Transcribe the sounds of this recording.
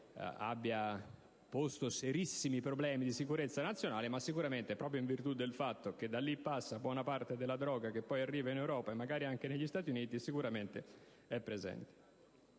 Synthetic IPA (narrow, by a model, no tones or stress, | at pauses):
a̰bːja | post̪oseɾisːimipɾoblɛːmid̪isikuɾet̪sːanat̪sːjonaːlemasːikuɾament̪epɾɔːpɾjoiɱvirt̪ud̪ːelfat̪ːok̟ed̪alːipːasːabwɔːnapart̪ed̪elːad̪ɾɔːɡak̟epːɔjarːiːvainewɾɔːpaemːaɡaːɾiaŋk̟eneʎːist̪aːt̪̬juniːt̪isikuɾament̪e | ɛpːɾezɛ̰nt̪e̥